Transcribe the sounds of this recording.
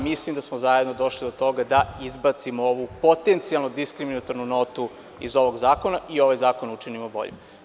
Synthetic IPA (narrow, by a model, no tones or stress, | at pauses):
mislimd̪asmozajed̪no̞d̪o̞ʃlid̪ot̪o̞ɡad̪aizbat̪simooʋupo̞t̪ent̪sijalˠnod̪iskɾiminat̪oɾnuno̞t̪u | izo̞ʋo̞ɡzaːko̞naio̞ʋajzaːkonut͡ʃinimobo̞̰ʎḛ